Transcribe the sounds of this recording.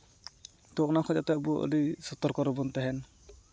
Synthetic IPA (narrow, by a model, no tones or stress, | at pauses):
t̪ɔknakʰɔd͡ʒat̪ɛbuɔ̰ʔlisɔt̪ɔɾkɔɾɔbɔnt̪ɛɦɛn